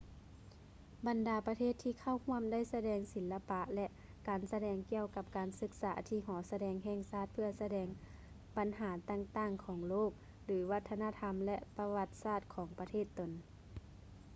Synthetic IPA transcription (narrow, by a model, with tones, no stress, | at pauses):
ba˨ndaː˨˦pa˧t̪ʰeː˥˩t̪ʰːiː˧kʰa˧˥˩whu˧˥˩əmda˥˩˨jsa˧dɛː˨˧ŋsi˨˩˦lːa˧pa˧ʔlɛ˧ʔ | kaː˨nsa˧dɛː˨˧ŋki˧əwka˧˥p̚kaː˨˩nsɯ˧k̚saː˩˦t̪ʰiː˧˩ɦɔː˩˦sa˧dɛː˨˩ŋɦɛː˧ŋsaː˧˥˩t̪̚pʰɯ˧ɐsa˧dɛː˧˩ŋ | ba˨nɦaː˩˦t̪a˧˨ŋt̪aː˧˥˩ŋkʰɔː˩˦ŋloː˥˩k̚ | lɯː˩˦wa˧t̪ʰːa˧naː˧˥˧t̪ʰa˧mlɛ˧ʔpa˧ʋa˧t̪̚saː˥˩t̪̚kʰɔː˩˦ŋpa˧t̪ʰeː˥˩t̪ːo˨˩n